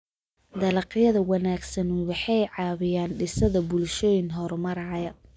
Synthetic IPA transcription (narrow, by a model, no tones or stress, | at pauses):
d̪ɐlɑqjɐðɐwɑnaːɡsɐnwɑħɑjʕɑːβɪjaːnɖɪsɐðɐbʊlʃɔːjɪnɦɔɾmɐɾɑʕjɐ